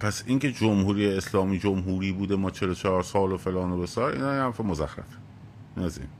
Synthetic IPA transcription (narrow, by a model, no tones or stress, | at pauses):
pʰæsiŋce̞d͡ʒomhuːɾiːeeslɒːmiːd͡ʒomɦuːɾiːbuːd̪emɒːt͡ʃʰe̞lot͡ʃʰɒɾsɒːlofe̞lɒːnobesɒːɾḭːnɒːjehæɾfemozæxɾæ̰fe̥ | inæzḭn